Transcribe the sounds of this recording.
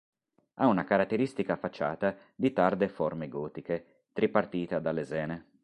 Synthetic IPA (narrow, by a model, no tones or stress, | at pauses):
a̰unakaɾat̪ːeɾist̪ikaːfːat͡ʃːa̰ːt̪a | d̪it̪ard̪efɔrmeɡɔːt̪ike | t̪ɾipart̪iːt̪ad̪alːezɛːne